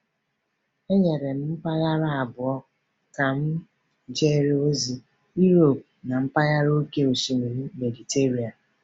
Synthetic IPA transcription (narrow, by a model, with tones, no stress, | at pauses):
e˦ɲe˨ɾe˨m̩˦m̩˦pa˦ɣa˦ɾa˦a˨bʊ˨ɔ˦ | ka˨m̩˦ | d͡ʒe˦ɾe˦o˦zi˦ | i˦ɾo˨p̚ | na˨m̩˦pa˦ɣa˦ɾo˦ke˦o˨ʃi˨mi˨ɾi˦me˨di˨te˦ɾi˨a˨